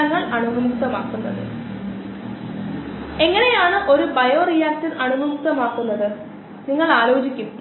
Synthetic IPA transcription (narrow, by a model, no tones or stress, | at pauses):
ɐŋːɐɭɐɳumumuk̚t̪ɐmaːkːunːɐ̰ðɨ̰ | e̞ŋːɐne̞jaːɳɨʔo̞ɾubɐjo̞ːrijaːk̚sinɐɳumumuk̚t̪ɐmaːkːunːɐðɨ | niŋːɐɭaːlo̞ːt͡ɕikʲːum